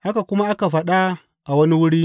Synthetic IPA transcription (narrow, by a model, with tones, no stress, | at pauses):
ʔa˦ka˨ku˦ma˦a˦ka˨va˨ɗa˦ | a˨wɐ˦ni˦wu˦ɾi˦